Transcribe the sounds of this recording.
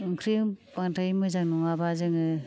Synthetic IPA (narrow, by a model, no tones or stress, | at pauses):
ɯŋkʰɾipaŋtʰajmɯzaŋnɔŋabazɯŋɯ